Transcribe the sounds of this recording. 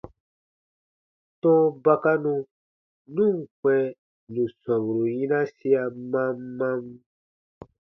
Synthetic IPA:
tɔ̃˦ba˧ka˦nũ˧ | nũ˦˨ŋ˨kɛ̃˨ | nũ˨sã˨bu˨ɾu˨jĩ˦nã˦si˦a˧mã˦mːã˦m

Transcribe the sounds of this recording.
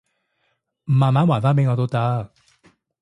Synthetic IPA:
m̩˨˩maː˨maː˨˦˥mwaː˨˩nfaː˦˥pe˨˦jŋɔ˨˧t̪o˥wt̪ɐ˦˥k̚

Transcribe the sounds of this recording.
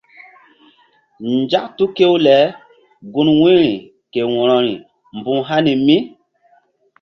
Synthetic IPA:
ɲd͡ʒa˦k̚tu˦ke˦wlɛ˨˦ | ɡu˦nwĩ˦ɾi˨ | ke˨wɔ˨ɾɔ˨ɾi˨ | mbu˦ɦa˦ni˨mi˦

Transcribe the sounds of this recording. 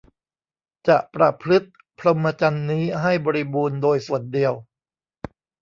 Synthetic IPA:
t͡ɕa˨˩ʔpɾa˧˩pʰɾɯ˦˥t̪̚ | pʰlo˧mːa˧t͡ɕa˧nːiː˦˥ɦa˥˩jbɔː˧ɾi˦buː˧ndoː˧jsu˨˩əndi˧əw

